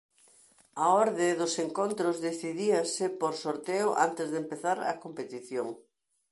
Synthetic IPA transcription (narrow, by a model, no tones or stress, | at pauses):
ɐoɾðeðʊseŋkont̪ɾʊzðeθiðiɐsɪpoɾsoɾt̪eʊʔa̰nt̪ezðempeθaɾɐ̰kompet̪iθjoŋ